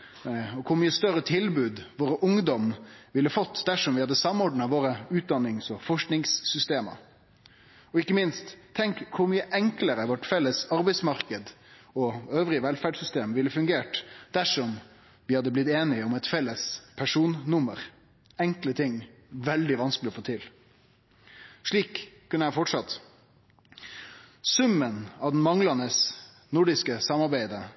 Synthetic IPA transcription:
ɔkʰʊɾmyːəst̪œɾət̪ʰɪlbʉːd̪ʋoːɾəʔʊŋd̪ɔmʋɪlːəfɔt̪ːd̪æʂɔmʋɪhɑd̪ːəsɑmːɔɖɳɑʋoːɾəʉːt̪̚d̪ɑnːɪŋsɔfɔʂknɪŋsːʏst̪eːmə̰ | ɔɪkːəmɪnst̪ʰːɛŋkkʰːʊɾmyːəʔɛŋkləɾəʋɔʈfɛlːəsɑɾbɛɪsmɑɾkəd̪ | ɔøːʋɾɪəʋɛlfæɖsʏst̪eːmʋɪlːəfʉŋɡeːʈd̪̥æʂɔm | ʋɪːhɑd̪ːəblɪt̪eːnɪɔmɛt̪fɛlːəspʰæʂuːnnʊməɾ | ɛŋklət̪ʰɪŋ | ʋɛld̪ɪʋɑnskəlɪɔfoːt̪ʰɪl | ʂɭiːkʰː | ʉnəæfɔʈʂɑt̪ | sʉmːənɑʋd̪n̩mɑŋlɑnəs | nʊɖɪskəsɑmɑɾbæɪd̪ə

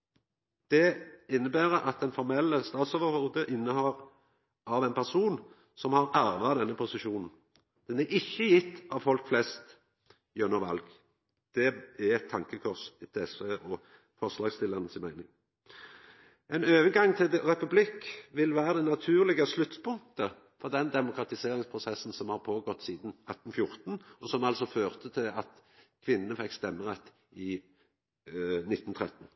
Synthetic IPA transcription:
d̪̥ɛɪnːəbæːɾəʔɑt̪̚d̪ɛnfɔɾmɛlːəst̪ɑːt̪soːʋəɾɔʁd̪əʔɪnːəhɔɾ | ʔɑʋɛɪnpʰæʁsuːn | sɔmhɑɾæɾʋɑd̪ɛnːəpʰʊsɪʃuːnn̩ | d̪̥ɛnæɾʔɪçːəjɪt̪ːɑʋfɔlkflɛst̪ | jœnːɔʋɑ̰lɡ | d̪̥ɛæɛt̪ʰːɑŋkəkʰɔʁsɪt̪ʰɛsɛʔɔ | fɔʁslɑːɡst̪ɪlɑʁnəsɪnmæɪnɪŋ | ɛnøːʋənɡɑŋːt̪ʰɪld̪ʁɛpʉblɪkːʋɪlʋæːʁəd̪ɛnɑt̪ʰʉːʁlɪɡəslʉt̪spʊŋ̚t̪ə | fɔʁd̪ɛnd̪ɛmʊkɾɑt̪ɪseːʁɾɪŋspʰʁʊsɛsːn̩sɔmhɑʁpʰoːɡɔt̪ːsiːd̪nɑt̪ːn̩fjʊʁt̪nɔsɔmɑlsɔføːʁt̪ət̪ʰɪɑt̪kʰʋɪnːənəfɛkːst̪ɛmːəʁɛt̪ː | ɪ | nɪt̪ːnt̪ʰʁɛt̪n̩

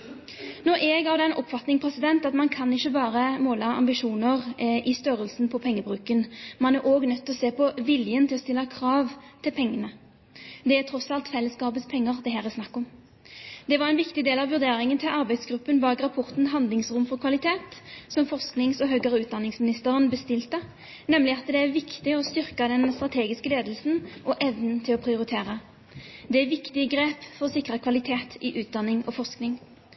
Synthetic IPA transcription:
nɔɾʔɛːɡɑʋd̪ɛnʔɔpfɑt̪nɪŋpʰʁɛsɪd̪ɛnt̪ɑt̪mɑnkʰɑnɪçːəbɑːɾəmoːlɑɑ̰mbɪʂuːnəʁʔɪst̪œɾəlsn̩pʰɔpʰɛŋːəbʁʉːkənmɑnæɾʔoːɡnœt̪ʰːɪlɔseːpɔʋɪljənt̪ʰɪlɔst̪ɪlːɑkʰʁɑːʋt̪ʰɪlpʰɛŋːənə | d̪ɛæt̪ʰʁɔsɑlt̪fɛlːəskɑːbət̪spʰɛŋːəʁd̪ɛɦæːʁɛsnɑkːɔm | d̪ɛʋɑʁɛnʋɪkt̪ɪd̪eːlɑʋʋʉʁd̪eːɾɪŋənt̪ʰɪlʔɑʁbæɪd̪sɡɾʉpːənbɑːɡʁɑpʰɔʁt̪nɦɑnd̪lɪŋsʁʊmfɔʁkʰʋɑlɪt̪ʰeːt̪sɔmfɔʁsknɪŋsɔɦœːɡəʁəʉːt̪̚d̪ɑnɪŋsmɪnɪst̪əʁənbəst̪ɪlt̪ə | nɛmlɪɑt̪d̪ɛæɾʋɪkt̪ɪɔst̪ʏʁkɑd̪ɛnst̪ʁɑt̪ʰeːɡɪskəleːd̪lsn̩ʔɔʔɛʋnən̩t̪ʰɪlɔpʰʁɪʊɾɪt̪ʰeːʁə | d̪ɛæʋɪkt̪ɪəɡɾeːpfɔʁɔsɪkʁəkʰʋɑlɪt̪ʰeːt̪ʰɪʔʉːt̪̚d̪ɑnɪŋɔfɔʁsknɪŋ

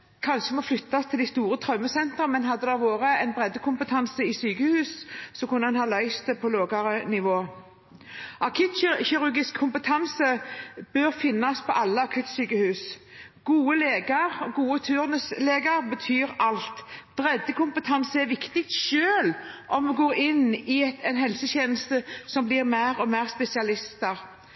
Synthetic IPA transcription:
kʰɑnʃəmɔflʏt̪ːɑst̪ʰɪld̪ɛɪst̪uːɾət̪ʰɾœmːəsɛnt̪ɾəmɛnɦɑd̪ːəd̪ɛʁʋoːɾəɛɪnbʁɛd̪ːəkʰʊmpət̪ʰɑnsəɪsyːkəhʉːssɔkʊnːəɛnhɑːlœʏst̪pʰɔloːɡɑɾənɪʋoː | ʔɑkʰʉːt̪çɪɾʉɡɪskʰːʊmpət̪ʰɑnsəb̥øɾfɪnːɑspʰɔʔɑlːəɑkʰʉt̪syːkəhʉːsɡ̥uːəleːɡəʁɔɡuːət̪ʰʉːʁnəsleːɡəɾbət̪ʰyːɾɑlt̪b̥ɾɛd̪ːəkʊmpət̪ʰɑnsəæɾʋɪkt̪ɪkt̪ʃøːlʔɔmmɛɡoːʁɪnːɪɛt̪ɛɪnɦɛlsəçeːnəst̪əsɔmblɪʁmæɪʁɔmæːʁspɛsɪɑlɪst̪əɾ

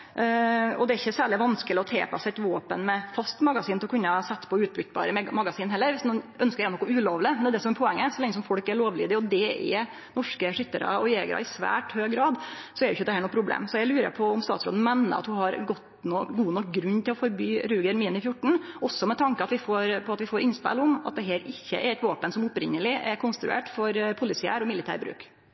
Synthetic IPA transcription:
ɔd̪ɛæɾɪçːəsæːɭɪʋɑnskəlɪɔt̪ʰḛːpʰɑsɛt̪ʋoːpənmɛfɑst̪mɑɡɑsiːnt̪ɪlɔkʉnːəhɑsɛt̪ːpʰɔʉːt̪̚bʏt̪bɑ̰ːɾəmɑɡɑsiːnɦɛlːəɾʋɪsnuːʔœnskəɾænɔkːɔʉːloːʋlɪmɛnd̪æd̪ɛsɔmɛɾpʰɔɛŋːəsɔlɛŋːəs̬ɔmfɔlkæɭoːʋliːd̪ɪɔd̪ɛɛ̰ | nɔʂkəʂʏt̪ːəɾə̰ɔjeːɡəɾɑ̰ɪsʋæ̰ːʈhøːɡɾɑːd̪sɔɛɾɪʊɪçːəd̪ɛhæːɳɔpʰɾʊblḛːmsɔjæɪlʉːɾə̰pʰɔɔmst̪ɑːt̪so̰ːd̪n̩mɛnːə̰ɾɑ̰t̪hʊhɑɾɡɔt̪noːɡuːnɔkɡɾʉnːt̪ʰɪlɔfɔɾbyːɾʉːɡəɾmiːənɪfjʊʈːɳ̩ʔɔsːɔmɛt̪ʰɑŋkəɑt̪ʋɪfoːɾpʰɔɑt̪ʋɪfoːɾʔɪnspɛ̰lɔmɑ̰t̪̚d̪ɛɦeːɾɪçːə̰ʔɛɾɛt̪ʋɑːpənsɔmʊpɾɪŋːəlɪʔɛɾkʰʊnst̪ɾʉ̰ḛːʈfɔɾpʰʊlɪsɪæ̰ːɾɔmɪlːɪt̪ʰæ̰ːɾbɾʉ̰ːk

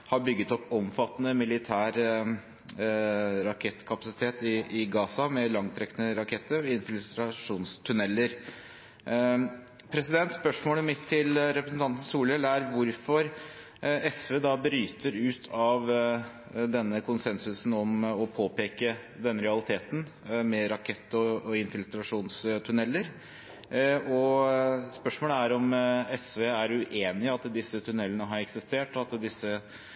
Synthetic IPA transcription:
hɑɾbʏɡːət̪ɔpːɔmfɑt̪ːnəmɪlɪt̪ʰæːɾ | ɾɑkʰɛt̪ːkʰɑpɑsɪ̥t̪ʰeːt̪ɪɪɡɑːsɑmɛlɑŋt̪ʰɾɛknəɾɑkʰɛt̪ːəɾɔɪnfɪlʉst̪ɾɑʂuːnst̪ʰʉnɛlːəɾ | pʰɾɛsɪd̪ɛnt̪spœʂmoːləmɪt̪ʰːɪlɾɛpɾəsnt̪ʰɑnt̪ən̩suːlɛlæɾʋʊɾfɔɾ | ɛsʋeːd̪ɑbɾyːt̪əɾʉːt̪ʰɑʋ | d̪ɛnːəkʰʊnsɛnsʉsn̩ɔmɔpʰoːpeːkə | d̪ɛnːəɾɛɑlɪt̪ʰeːt̪n̩ | mɛɾɑkʰɛt̪ːɔɔɪnfɪlt̪ɾɑʂuːnst̪ʰʉnɛlːəɾ | ɔ | spœʂmoːləæɾɔmɛsʋeːæɾʉʔeːnɪɑt̪d̪ɪsːət̪ʰʉnɛlːənəɦɑɾɛksɪst̪eːʈɔɑt̪d̪ɪsːə

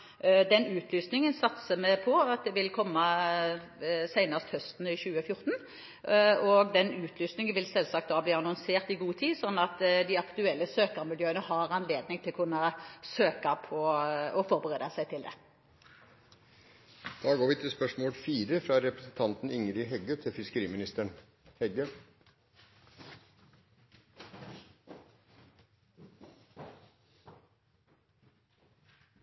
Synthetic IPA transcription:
d̪ɛnʉːt̪ʰlyːsnɪŋənsɑt̪səmɛpʰɔɑt̪̚d̪ɛʋɪlkʰɔmːɑ | sæɪnɑst̪hœst̪n̩ɪɕʉːəfjʊɾt̪n̩ | ɔɡd̪ɛnʉːt̪ʰlyːsnɪŋənʋɪlsɛlsɑkt̪̚d̪ɑːbliːɑnɑŋseːʁt̪ɪɡuːt̪ʰiːsɔnːɑt̪d̪ɪɑkt̪ʉɛlːəsøːkəɾmɪljøːənəhɑɾɑnleːd̪nɪŋt̪ʰɪlɔkʰʉnːɑsøːkɑpʰɔɔfɔʁbəʁeːd̪ɑsæɪt̪ʰɪld̪ɛ̰ | d̪̥ɑːɡoːɾʋɪt̪ʰɪlspœʂmoːlfiːɾəfɾɑɾɛpɾəsn̩t̪ʰɑnt̪n̩ʏŋɾɪɦɛɡət̪ʰɪlfɪskəɾiːmɪnɪst̪əɳ | hɛɡə

